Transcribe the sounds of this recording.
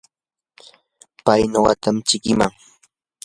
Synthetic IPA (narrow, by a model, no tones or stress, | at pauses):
pajɲoɢɑt̪amt͡ʃɪkɪmaŋ